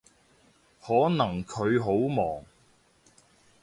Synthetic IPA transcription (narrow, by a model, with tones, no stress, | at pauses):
hɔː˨˥nɐ˨˩ŋkʰɵ˨˧ɥɦo˨˥wmɔː˨˩ŋ